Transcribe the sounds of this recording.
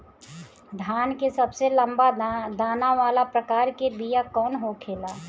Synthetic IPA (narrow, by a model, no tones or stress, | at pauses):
d̪ʱjaːnkesɐbselə̃mbad̪aːnaʋaːlapɾəkaːɾkebijakɔːnɦokʰeːlaː